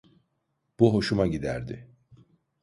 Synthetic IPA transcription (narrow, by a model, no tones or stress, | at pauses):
b̥uɦo̞ʃumaɟid̪æɾd̪ɪ